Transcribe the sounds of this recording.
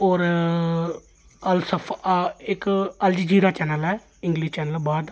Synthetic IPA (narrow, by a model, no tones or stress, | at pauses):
ɔːɾ | əlsəpʰɪkəld͡ʒid͡ʒiːɾaːt͡ʃɛːnəlɛː | ɪŋɡliʃt͡ʃɛːnəlbaːd̪